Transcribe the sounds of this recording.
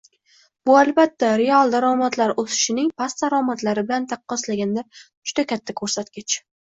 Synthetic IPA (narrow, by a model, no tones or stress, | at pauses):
b̥ʊalˠbat̪ʰːaɾealˠd̪aɾɒmat̪laɾosɪ̥ʃɪnɪŋpʰast̪ːaɾɒmat̪laɾɪbɪlant̪ʰɑqːɒslaɡʲand̪aɾ | d͡ʒʊd̪akʲʰat̪ʰːakʰɵɾsat̪kʲɪt͡ʃ